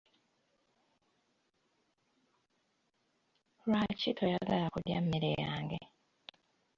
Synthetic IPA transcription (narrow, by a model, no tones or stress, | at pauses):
ɾwacitʰojaɡalakuɾa̰mːiɾḛjaːŋɡe